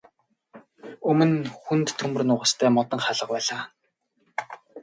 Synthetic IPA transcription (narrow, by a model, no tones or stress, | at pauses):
ɵmɵ̆nxunt̪ʰːɵmɵ̆rnʊːʁə̆st̪ʰæːmɔt̪ə̆ŋχaɮə̆q̚pæːɮaː